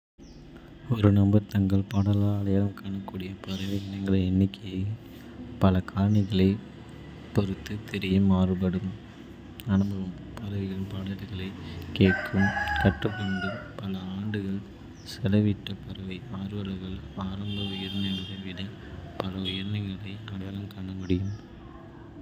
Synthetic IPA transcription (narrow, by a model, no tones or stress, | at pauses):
ɔɾɯnɐmbɐɾt̪ɐŋɡɐɭpɐɽɐlaːlɐjɐɾɐmkaːɳɐkːuːɽɪjɐpɐɾɐʋɪnːɐŋɡɐɭɐɛnːɪkːɐj | pɐlɐkʰaːɾɐɳɪɣɐɭɐɪ | pɔɾɯt̪ːɯt̪ɛɾɪjɐmaːrɯbɐɽɯm | ɐnɯbɐʋɯm | pɐɾɐʋɪɣɐɭpɐɽɐɾɣɐɭɐɪkeːʈkːɯmkɐʈːɯkːɔɳdɯpɐlɐaːɳɖɯɣɐɭ | sɛlɐʋɪʈːɐpɐɾɐʋɐɪmaːɾɯʋɐlɐɣɐɭaːɾɐmbɐʊjɐɾnɐŋɯɾɐʋɪɽɐ | pɐlɐʊjɐɾnɐŋɡɐɭɐɪaːlɐjɐlɐmkaːɳɐmʊɽɪjɯm